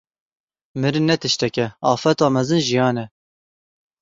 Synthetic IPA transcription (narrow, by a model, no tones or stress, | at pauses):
mɨɾɨnːɛt̪ɨʃt̪ɛkʲɛɑːfɛt̪ɑːmɛzɨnʒijɑːnɛ